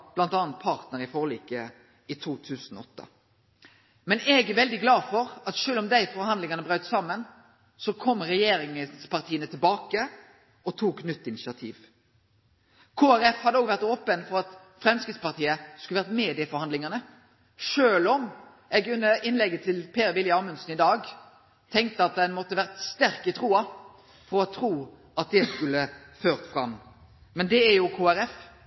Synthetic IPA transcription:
blɑnt̪ɑːnt̪̚pʰɑʁt̪nəɾɪfoːʁliːkə | ɪt̪ʰuːt̪ʰʉːsn̩ɔɔt̪ːə̰ | mɛnɛɡæʋɛld̪ɪɡlɑːfɔɾɑt̪ʃøːlɔmd̪æɪfɔɾhɑnd̪lɪŋɑnəbɾœʏt̪sɑmːən | sɔkʰɔmːʁɛjeːɾɪŋəspɑʁt̪ʰiːənət̪ʰɪlbɑːkə | ɔt̪ʰuːknʏt̪ːɪnɪʃɪɑt̪ʰḭːʋ | kʰoːæɾɛfhɑd̪əoːɡʋæʁt̪oːpənfɔɾɑt̪ | fɾɛmskʁɪt̪spɑʁt̪ʰiːəskʉlʋæʁəmeːd̪ɪəfɔɾhɑnd̪lɪŋɑnə | ʂøːlɔm | ɛɡʉnːəʔɪnlɛɡːət̪ʰɪlpʰeːɾʋɪljɑmʉnsn̩ɪd̪ɑːɡ | t̪ʰɛŋk̚t̪əɑt̪̚d̪ɛnmɔt̪ːəʋæʁt̪st̪æʁkət̪ʰɾuːɑ | fɔɾɔt̪ʰɾuː | ʔɑt̪̚d̪ɛskʉlːəføːʁt̪fɾɑmː | mɛnd̪ɛæjʊkʰoːæɾɛf

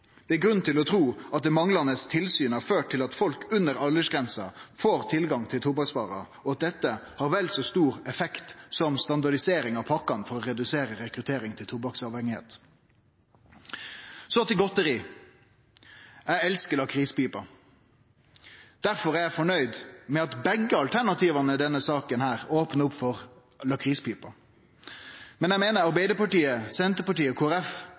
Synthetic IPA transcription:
d̪̥ɛæɡɾʉnt̪ʰɪlɔt̪ʰɾuːɑt̪̚d̪ɛmɑŋlɑnəst̪ʰɪlsyːnhɑɾføːʈ̚t̪ʰɪlɑt̪fɔlkʉnəɾɑlːəʂɡʁɛnsɑ̰foːɾt̪ʰɪlɡɑŋt̪ʰɪlt̪ʰʊbɑksʋɑ̰ːʁɑ̰ | ɔɑt̪̚d̪ɛt̪ːəhɑːɾʋɛlsoːst̪uːɾɛfɛkt̪sɔmst̪ɑnd̪ɑɖɪseːɾɪŋɑʋpʰɑkːɑnfɔɾɔʁɛd̪ʉseːɾəɾɛkɾʉt̪ʰeːɾɪŋt̪ʰɪlt̪ʰʊbɑksɑʋhɛŋɪhḛːt̪ | sɔt̪ɪlɡɔt̪əɾiː | æɛlskəlɑːkʰɾiːspiːpɑ | d̪̥æɾfɔɾæɾæfɔɳœʏd̪mɛɑt̪bɛɡəɑlt̪ʰæɳɑt̪ʰiːʋɑnəd̪ɛnːəsɑːkənhæːɾoːpnəʊpfɔʁ | lɑkʰɾiːspiːpɑ | mɛnæɪmeːnəɾɑɾbɛɪd̪əpɑʈiːəsɛnt̪əpɑʈiːəkʰoːæɾɛf

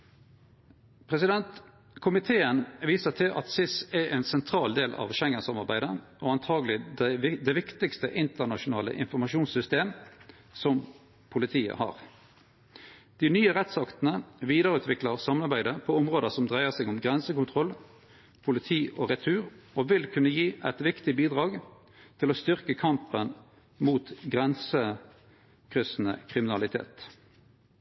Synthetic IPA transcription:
pʰʁɛsɪd̪ɛnt̪ | kʰʊmɪt̪ʰeːənʋiːsəʁt̪ʰɪlʔɑ̰t̪sɪsɛʔɛːnsɛnt̪ʰʁɑːld̪eːlʔɑ̰ʋʃɛŋːəsɑmɑʁbæɪd̪əʔoɑnt̪ʰɑːɡlɪɪd̪ɛʋɪkt̪ɪkst̪əʔɪnt̪ənɑʃʊnɑːlə̰ʔɪ̰nfɔʁmɑʃuːnsʏst̪eːm | sɔm | pʰʊlɪt̪ʰiːə̰hɑ̰ːʁ | d̪̥ɪnyːəʁɛt̪sɑkt̪nəʋiːd̪əʁəʉːt̪ʋɪkləʁsɑmnɑʁbæɪd̪əpʰɔɔmʁoːd̪əsɔmd̪ʁæɪəʁsɛːɡʊmɡʁɛnsəkʊnt̪ʰʁɔl | pʰʊlɪt̪ʰiːʔoːʁɛt̪ʰʉːʁoːʋɪlkʰʉnːəjiːʔɛt̪ʋɪkt̪ɪbiːd̪ʁɑːɡ | t̪ʰɪlost̪ʏʁkəkʰɑmpən | muːt̪ɡʁɛnsə | kʰʁʏsn̩ə̰kʰʁɪmɪnɑlɪt̪ʰḛːt̪

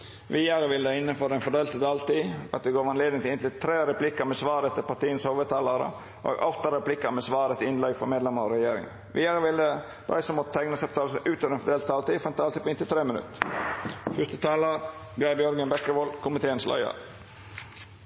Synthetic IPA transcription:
ʋiːæɾəʋɪld̪ɛɪnːənfɔɾɛnfɔɖ̪eːlt̪əd̪ɑlt̪iːɑ̰t̪̚d̪ɛɡoːɾʋɑnleːd̪ɪŋt̪ɪɪnt̪lɪt̪ʰɾeːɾɛpʰlɪkːɑmɛsʋɑːɾɛt̪ʰːɪlpɑʈ̪ʰiːənshoʋət̪ʰɑːlɑɾə̰ | ʔo̰ːɡɔft̪əɾɾɛplɪkːɑmɛsʋɑːɾɛt̪ɪnlɛɡfɔmeːd̪lɛmɑɾɔɾɛjeːɾɪŋə̰n | ʋɪːæɾəʋɪld̪ə | d̪̥æ̰ɪsɔmːɔt̪ət̪ʰæŋnəsɑp̚t̪ʰɑːləsəʔʉːt̪ʰøːʋɾɛnfɔɖ̪eːlt̪d̪ɑlt̪iːfɾɛnt̪ɑliːpʰɔɪnt̪ɪt̪ʰɾeːmɪnʉ̰t̪ː | fʏst̪ət̪ʰɑːlɑɾɡɑːbjœɾɡənbɛkːəʋoːlkʰʊmɪt̪ʰeːənslɑ̰ɪə̰ɾ

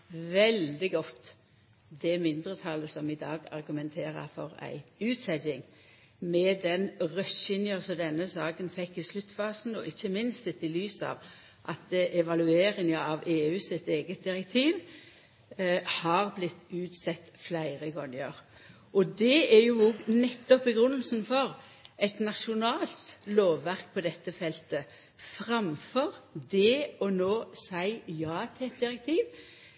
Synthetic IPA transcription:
ʋɛld̪ɪɡɔt̪ː | d̪ɛmɪnd̪ʁət̪ʰɑləsɔmɪd̪ɑːɡɑ̰ʁɡʉmɛnt̪ʰeːɾə̰fɔʁæ̰ɪʉːt̪sɛdɪŋ | mɛd̪ɛnʁœsɪnjəsɔd̪ɛnːəsɑːkənfɛkːɪslʉt̪ːfɑːsnɔ̰ʔɪçːəmɪnst̪ɪt̪ːɪlyːsɑ̰ʋ | ʔɑt̪ʔɛʋɑlʉeːɾɪŋəɑʋeːʉːsɪt̪eːɡət̪̚d̪ɪɾɛk̚t̪ʰiːʋ | hɑʁblɪt̪ːʉːt̪sɛt̪ːflæɪʁəɡɔŋəʁ | ʔɔd̪ɛæɾjʊɔɡnɛt̪ːɔpːəɡʁʉnːəlsn̩fɔʁ | ɛt̪nɑʃʊnɑːlt̪loːʋːæʁk̚pʰɔd̪ɛt̪ːəfɛlt̪ə | fʁɑmfɔʁd̪ɛɔnoːsæɪjɑːt̪ʰɪɛt̪̚d̪ɪʁɛk̚t̪ʰiːʋ

